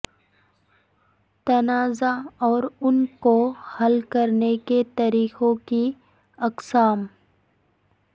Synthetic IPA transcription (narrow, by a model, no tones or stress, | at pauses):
t̪ɐnaːzaɔːɾʊnkohɐlkɐɾneket̪ɐɾiːqõki | ɐqsaːm